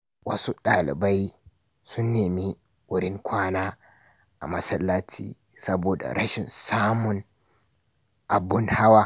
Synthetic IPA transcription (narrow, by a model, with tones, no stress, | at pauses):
wɐ˦su˦ɗa˨lɪ̰˨ba˦j | sʊ˦nːeː˨mi˦ | wʊ˦ɾɪ˦ŋkʷʰaː˦naː˦ | ʔa̰˨mɐ˨sɐ˦lːa˦tʰḭ˦ | sɐ˦boː˨da̰˨ɾa˦ʃɪ˨nsaː˦mʊ˦n | ʔa˨bːʊ˦nha˦wa˦